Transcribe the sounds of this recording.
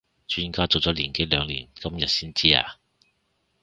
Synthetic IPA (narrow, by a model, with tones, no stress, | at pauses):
t͡ʃyː˥˩˥nkaː˥t͡so˨wt͡sɔː˨˥liː˨˩nke˨˥jlœː˨˧ŋliː˨˩nkɐ˥mjɐ˨t̚siː˥nt͡siː˥a̰ː˨˧